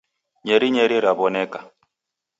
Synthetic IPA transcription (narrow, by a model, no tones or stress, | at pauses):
ɲɛɾiɲɛɾiɾaβɔnɛka